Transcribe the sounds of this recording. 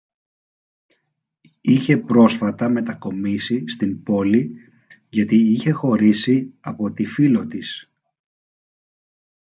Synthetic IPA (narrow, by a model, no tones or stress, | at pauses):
içe̞pɾo̞sfɐt̪ɐme̞t̪ɐko̞misist̪imbo̞li | ʝɐt̪iiçe̞xo̞ɾisiɐpo̞t̪ifilo̞t̪is